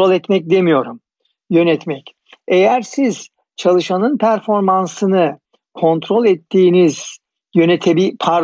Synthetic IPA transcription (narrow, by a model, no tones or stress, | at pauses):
olʲˠɛt̪mɛc̚d̪e̞mijo̞ɾum | jø̞nɛt̪mɛc | ejæɾsiz̥ | t͡ʃʰalˠɯʃanɯnpʰæɾfo̞ɾmansɯnɯ | kʰo̞nt̪ɾo̞lʲɛt̪ʰːiːniz̥ | jø̞net̪ʰebipʰaɾ